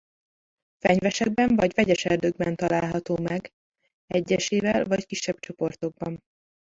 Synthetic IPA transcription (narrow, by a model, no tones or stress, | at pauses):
fɛɲvɛʃɛɡ̚bɛɱvɒɟvɛɟɛʃɛrd̪øɡbɛnt̪ɒlaːlɦɒt̪oːmɛɡ | ɛɟːɛʃeːvɛlvɒckiʃːɛb̚t͡ʃo̞po̞rt̪o̞ɡ̚bɒn